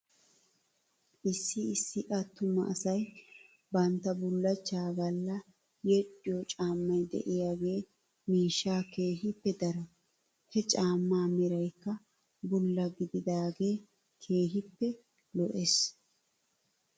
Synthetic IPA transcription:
ʔɪsːɪɪsːɪʔɐt̪ːʊmɐʔːsɐj | bɐnt̪ːɐbʊlːɐt͡ʃːaːɡɐlːɐ | jɛɗɪjɔt͡ʃʼaːmːɐjd̪ɛ̰ʔɪjaɡe̞ː | miːʃːaːke̞ːɦɪpːɛd̪ɐɾɐ | hɛt͡ʃʼaːmːaːmɪɾɐjkːɐ | bʊlːɐɡɪd̪ɪd̪aːɡe̞ː | kʰe̞ːɦɪpːɛ | lɔʔes

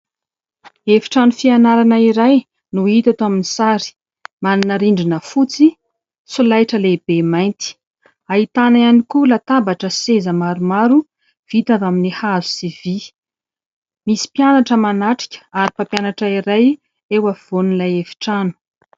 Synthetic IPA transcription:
efi̥ʈ͡ʂanufianaɾanəiɾaj | nuit̪at̪oaminisaɾi̥ | maninaɾiɳɖ͡ʐinəfut͡si | sulajʈ͡ʂəlebemajnt̪i̥ | aɦit̪anajanikulat̪ambaʈ͡ʂəsezəmaɾumaɾu | v̥it̪avaminihazusivi | misi̥pianaʈ͡ʂəmanaʈ͡ʂi̥kʲə̥aɾipapjanaʈ͡ʂəiɾaj | ewav̥onulajefi̥ʈ͡ʂanu̥

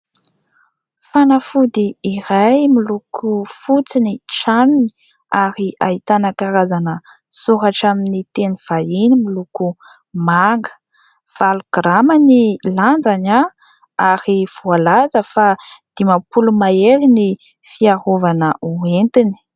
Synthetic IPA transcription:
fanafud̪iːɾajmilukʰufut͡siniʈ͡ʂanuni | aɾiait̪anakaɾazanə | suɦaʈ͡ʂaminit̪enuv̥ainimiluku | maŋɡə̥ | v̥alɡ̥ramaniland͡zana | aɾiv̥ualazəfad̪̥imapulumaelini | fiaɦovanəʔuent̪ini̥

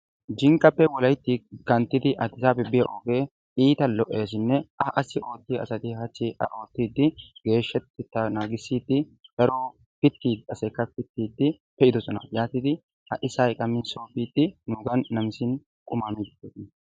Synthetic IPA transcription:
d͡ʒɪŋkʼːɐpːɛwɔlɐjt̪ːɪkɐnt̪ːɪd̪ɪʔɐt̪ːɪsaːbɛbɪjɐʔoːɡe̞ː | iːt̪ɐlɔʔːeːs̬ɪnːɛʔɐʔɐsɪo̞ːt̪ːiɐ̰sɐt̪ɪhɐt͡ʃːɪʔɐʔo̞ːt̪ːiːd̪ːɪɡ̥e̞ːʃːɛt̪ːɪt̪ːɐnaːɡɪsːiːd̪ɪd̪̥ɐɾoː | pɪt̪ːiːd̪ɪɐsɐkːɐpɪt̪ːiːd̪ːɪ | pɛɪd̪ɔsɔnɐ̰jaːt̪ɪd̪ɪ | ɐ̰ʔɪsaːɪkʼɐmɪnsoːpiːd̪ːɪnuɡɐnːɐmɪsɪn | kʼʊmaːmid̪ɪɡeːt̪ɪn

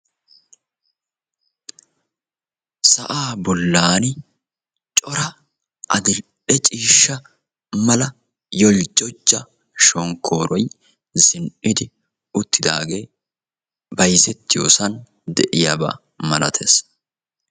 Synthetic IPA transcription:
sɐʔaːbɔlːaːn | t͡ʃʼɔɾɐ | ʔɐd̪ɪl | ɛt͡ʃʼiːʃːɐ | mɐlɐ | jɔld͡ʒɔd͡ʒːɐ | ʃɔŋkʰːo̞ːɾɔj | zɪnʔɪd̪ɪ | ʊt̪ːɪd̪a̰ːɡeː | bɐjzɛt̪ːɪjo̞̰ːsɐn | d̪ɛʔɪjaba̰ː | mɐlɐt̪ʰeːs

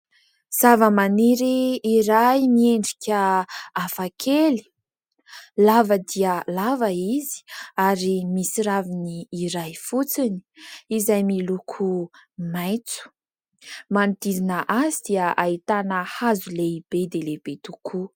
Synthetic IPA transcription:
z̥avəmaniɾiːɾajmieɳɖ͡ʐikʲəafakʰeli̥ | lavəd̪iəlavəizi̥aɾimisiɾaviniːɾajfut͡sini̥izajmilukʰumajt͡su̥ | manit̪izinəʔazid̪̥iəʔait̪anəhazuleib̥ed̪eleb̥et̪ukʰu

